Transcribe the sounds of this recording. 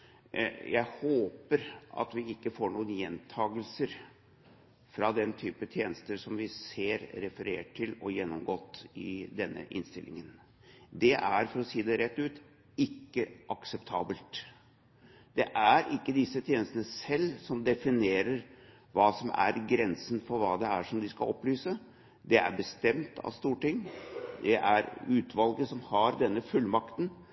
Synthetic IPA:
jæɪhoːpəɾʔɑ̰t̪ʋɪɪkːəfoːɳuːənjɛnt̪ʰɑːɡəlsəɾ | fɾɑd̪ɛnt̪ʰyːpət̪ʰjeːnəst̪əsɔmʋɪseːɾɾɛfəɾḛːʈʰːɪlɔjɛnːɔmɡɔt̪ːɪd̪ɛnːə̰ʔɪ̰nst̪ɪlʔɪ̰ŋən | d̪ɛʔæɾfɔɾɔsiːəd̪ɛɾɛt̪ːʉːt̪ | ɪkːəʔɑksɛpt̪ʰɑːbəlt̪ | d̪̥ɛʔæɾʔɪkːəd̪ɪsːət̪ʰjeːnəst̪ənəsɛlːsɔmd̪ɛfɪneːɾəɾ | ʋɑːsɔmʔæ̰ɾɡɾɛnsənfɔɾʋɑːd̪ɛæʂɔmd̪ɪskɑ̰ɔpːlyːsə | d̪ɛæ̰ɾbəst̪ɛmt̪ʰɑ̰st̪uːʈɪŋːd̪ɛʔæɾʉːt̪ʰʋɑlɡəsɔmhɑɾd̪ɛnːəfʉlːmɑkt̪n̩

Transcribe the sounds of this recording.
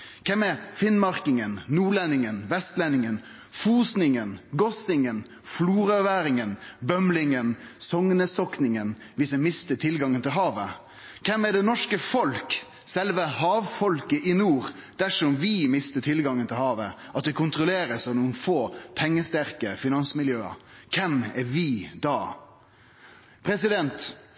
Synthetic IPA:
kʰɛmɛfɪnmɑʁkɪŋənnuːɭɛnɪŋənʋɛst̪lɛnɪŋən | fuːsnɪŋənɡɔsɪŋən | fluːɾœʋæːɾɪŋənbœmlɪŋənsɔŋnəsɔknɪŋən | ʋɪsɛmɪst̪ət̪ʰɪlɡɑŋːənt̪ɪlɦɑːʋə | kʰɛmɛd̪ɛnɔʂkəfɔlk | sɛlʋəhɑːʋfɔlkəʔɪnuːɾd̪̥æʂɔmʋɪmɪst̪ət̪ʰɪlɡɑŋːənt̪ʰɪlhɑːʋə | ʔɑt̪̚d̪ɛkʰʊnt̪ɾʊleːɾəsɑnuːənfoːpʰɛŋːəst̪æɾkəfɪnɑnsmɪljøːə̰kʰɛmɛɾʋɪd̪ɑː | pʰɾɛsɪd̪ɛnt̪

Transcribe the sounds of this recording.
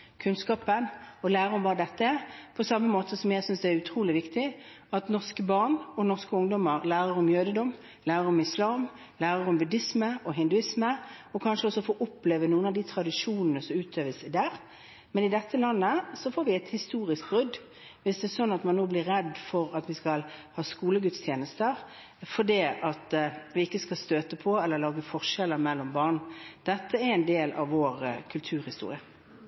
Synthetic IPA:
kʰʉnskɑːpənɔlæːʁəɾɔmbɑːɾəd̪ɛt̪ːəpʰɔsɑmːəmoːt̪ʰəsɔmjæɪsʏnsd̪ɛæɾʉt̪ʰɾuːlɪʋɪkt̪ɪ | ɑt̪nɔʁskəbɑʁɳɔnɔʁskəʊŋd̪ɔmːəɾlæːɾəɾɔmjøːd̪əd̪ɔm | læːɾəɾɔmɪslɑːm | læːɾəɾɔmbʉd̪ɪsməʔɔɦɪnd̪ʉɪsmə | ɔkʰɑnʂəɔsːɔfoːʔʊpːleːʋənuːənɑʋd̪iːt̪ʰɾɑd̪ɪʂuːnənəsɔmʉːt̪ʰøːʋəsɪd̪æːɾ | mɛnɪd̪ɛt̪ːəlɑnːəsɔfoːɾʋɪɛɪt̪hɪst̪uːɾɪsk̚bɾʏd̪ | ʋɪsd̪ɛɛsɔnːɑt̪mɑnːoːblɪɾːɛd̪fɔɾɑt̪ʋɪskɑlhɑːskuːləɡʉt̪st̪ʰjeːnəst̪əɾ | fɔɖiːʔɑt̪ʋɪɪkːəskɑlst̪øːt̪əpʰɔɛlːəɾlɑːɡəfɔʁʂɛlːəɾmɛlːɔmbɑʁɳd̪̥ɛt̪ʰːəɛɾɛɪnd̪eːlɑ̰ʋʋoːɾkʰʉlt̪ʰʉːɾhɪst̪ṵːɾɪə

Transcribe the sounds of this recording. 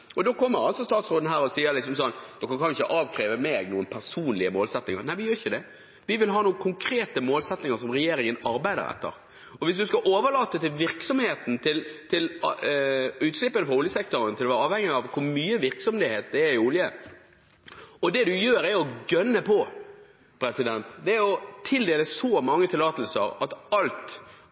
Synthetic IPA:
ɔd̪oːkʰɔmːəɾɑlsɔst̪ɑːt̪sɾoːd̪n̩ɦæːɾɔsiːəɾlɪks̬ɔmsɔnːd̪̥ɔkɑnkʰɑnɪçʂəʔɑːʋkʰɾeːʋəmeːɡnuːənpʰæɾsuːnlɪəmoːlsɛt̪nɪŋə̰ɾnæɪʋɪjøːɾɪçəd̪ɛ | ʋɪʋɪlɦɑːnuːəkʰʊŋkʰɾeːt̪əmoːlsɛt̪nɪŋəɾsɔmɾɛjeːɾɪŋənɑɾbæɪd̪ə̰ɾɛ̰t̪ːə̰ɾ | ɔʋɪs̬d̪ʉskɑʔoːʋəlɑːt̪ːət̪ɪlʋɪʁksɔmheːt̪n̩t̪ʰɪlt̪ʰɪl | ʉːt̪slɪpːənəfɾɑʊljəsɛk̚t̪ʊɾənt̪ʰɪlɔʋæːɾɑːʋhɛŋːɪɑʋkʰʊɾmyːəʋɪɾksɔmd̪ɛheːt̪̚d̪ɛæɾɪuljə | ɔd̪ɛd̪ʉjøːɾæɾɔɡœnːəpʰɔ | pʰɾɛsɪd̪ɛnt̪d̪ɛæɾɔt̪ʰɪld̪eːləsɔmɑŋːət̪ʰɪlɑːt̪əl̩sə̰ɾɑt̪ɑlt̪

